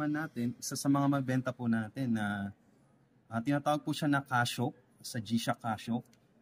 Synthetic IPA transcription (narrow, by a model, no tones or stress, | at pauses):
anːaːt̪ɛnʔɪsasɐmɐŋamɐɡ̚bɛnt̪ɐpʊnaːt̪ɛnːɐ | ʔɐt̪ɪnaːt̪aːwɐɡ̚puʃanɐkaːʃo̞ | sɐd͡ʒiːʃɐkaːʃo